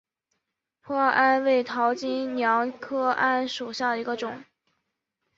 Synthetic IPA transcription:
pʰwɔ˥˧ʔa˥nwe˥˩ɪt̪ʰɑ˧˥ʊt͡ɕi˥ŋnjɑ˧˥ŋkʰɤ˥ʔa˥nʂu˨˩ɕja˥˩d̪ə˩i˧˥ɡə˧ʈ͡ʂʊ˨˩˦ŋ

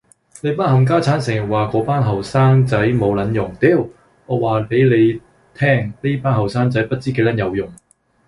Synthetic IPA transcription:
ne˨˧jpɐ˥t̚ɦɐ˨˩mk̬aː˥t͡sʰaː˨˥nsɪ˨˩ŋɐ˨˩waː˨kɔː˨˥paː˥nɦɐ˨wsaː˥ŋt͡sɐ˨˥jmo˨˧wlɐ˨˧˥njʊ˨˩ŋt̪e˥˩w | ŋɔː˨˧waː˨pe˨˥jle˨˧j | t̪ʰɛː˥˩ŋne˥paː˥nɦɐ˨wsaː˥ŋt͡sɐ˨˥jpɐ˥t̚t͡siː˥ke˨˧˥lɐ˨˥njɐ˨˧wjʊ˨˩ŋ

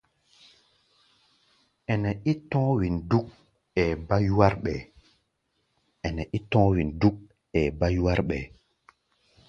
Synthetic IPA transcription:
ɛ˨nɛ˨i˦tɔ̃ː˦wi˨ndu˦k̚ | ɛ˨ba˦ju˦wa˦ɾɓɛ˨ | ɛ˨nɛ˨ʔi˦tɔ̃˦wi˨ndu˦k̚ | ɛ˨ba˦ju˦wa˦ɾɓɛ˨

